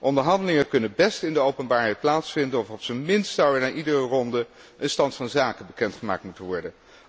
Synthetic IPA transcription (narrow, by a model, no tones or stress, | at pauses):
ʔɔndəɹɦɑndəlɪŋəkɵnənbɛstɪndəowpənbaːɹɦɛjt̚plaːtsfɪndənɔfɔpsənmɪnstsawɛɹnaːɹʔidərərɔndə | ʔənstɑntfɑnzaːkəbəkɛntχəma̰ːktmutənʋɔɹdən